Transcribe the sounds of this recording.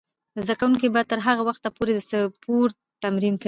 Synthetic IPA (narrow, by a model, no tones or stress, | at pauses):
zd̪akawuŋkibɑjad̪̚t̪əɾɦaɣawaxt̪apoɾed̪əsəpʰoɾ | t̪amɾinkə